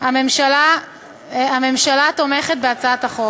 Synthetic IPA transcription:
hame̞mʃala | ame̞mʃalat̪o̞meχet̪̚beat͡saat̪aχo

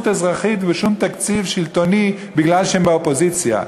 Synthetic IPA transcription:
t̪ezʁaχit̪veʃumt̪akt͡sivʃilt̪o̞ni | biɡlalʃehembeopo̞zit͡sja̰

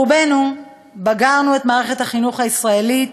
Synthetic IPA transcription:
ubenu | baɡaʁnuetmaːʁe̞χe̞thaχinuχhaisʁaelit

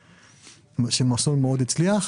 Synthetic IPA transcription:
ʃemasonmeod̪it͡sliaχ

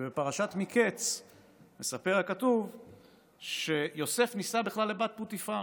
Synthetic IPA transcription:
bepaʁaʃat̪miket͡s | me̞sape̞ʁakatuv | ʃe̞jo̞se̞fnisabiχlalːebat̪̚butifa

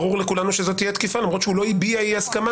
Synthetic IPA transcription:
ʁuʁle̞kulanuʃezo̞t̪ijet̪kifalamʁo̞t̪ʃeulo̞ibiaiaskama

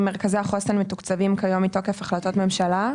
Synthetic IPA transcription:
meʁkaziaχost̪anmetukt͡savimkajo̞mitokefaχlato̞tme̞mʃala

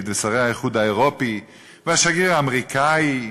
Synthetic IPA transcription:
d̪vesaʁehaiχud̪haeʁo̞pi | vehaʃaɡiʁaːmʁikai

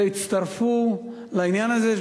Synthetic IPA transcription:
eit̪t͡st̪ɐʁfu | lainjanazeʃ

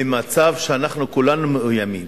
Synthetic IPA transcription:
emat͡savʃeanaχnukulanumeʔujamḭm

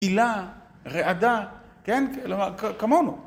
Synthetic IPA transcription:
ila | ʁeʔad̪a | kenlomakakamonu

